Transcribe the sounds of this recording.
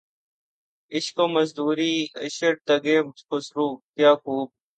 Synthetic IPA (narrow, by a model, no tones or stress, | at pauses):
ɪɕkoːməzd̪uːɾiːɪɕəʈ̚t̪ɐɡeːkʊsɾuːt̪jaːkuːb̚